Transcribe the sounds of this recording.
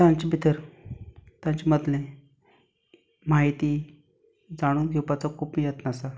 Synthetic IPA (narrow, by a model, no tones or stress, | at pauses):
t̪jãɲt͡ɕebʱit̪əɾ | t̪jãɲt͡ɕeməd̪le | maɦit̪iː | d͡zaɽ̃uːnɡʱewpat͡sakʰuːpijət̪nasa